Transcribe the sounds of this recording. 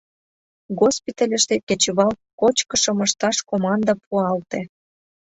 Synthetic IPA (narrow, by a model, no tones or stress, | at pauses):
ɡospit̪əlʲə̆ʃt̪ekĕt͡ɕβɑlkot͡ɕkə̆ʃə̆mə̆ʃt̪ɑʃkomɑnd̪ɑpʰuɑlt̪e